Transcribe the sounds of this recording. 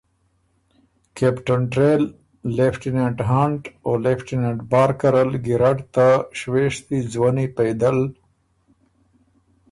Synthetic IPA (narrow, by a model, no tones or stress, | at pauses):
kepʈəɳʈɾeːlː | efʈineʈɦaɳʈoːlefʈineʈbaːɾkɐɾəlɡiɾaʈt̪aʃweʂt̪izwanipejd̪əl